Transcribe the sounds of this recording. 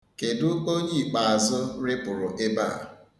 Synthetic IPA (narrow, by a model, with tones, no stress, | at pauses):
ke˨dʊ˦o˦ɲi˦i˨k͡pa˨a˨zʊ˦ɾɪ˦pʊ˨ɾʊ˨ʔe˦ba̰˦˨